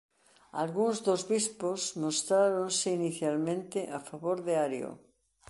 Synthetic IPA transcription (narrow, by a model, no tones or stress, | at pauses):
a̰lɣuŋzðozβisposmost̪ɾaɾõnseiniθjalmẽnt̪eʔafaβoɾðeaɾjo̰